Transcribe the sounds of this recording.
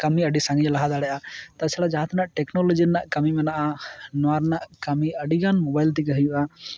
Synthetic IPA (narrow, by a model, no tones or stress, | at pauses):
kəmiəɖisãŋid͡ʒlaɦad̪aɽɛʔat̪at͡ʃʰaɽad͡ʒaɦat̪naʔʈɛknɔlɔd͡ʒiɾnaʔkəmimɛnaʔanɔaɾnaʔkəmiəɖiɡanmɔbajlt̪̬ikəɦəjuʔa